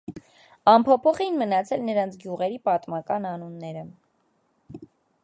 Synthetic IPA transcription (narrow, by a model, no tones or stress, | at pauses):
ɑmpʰɔpʰɔχɛinmənɑt͡sʰɛlnəɾɑnt͡sʰɡjuʁɛɾipɑt̪mɑkɑnɑnunːɛɾə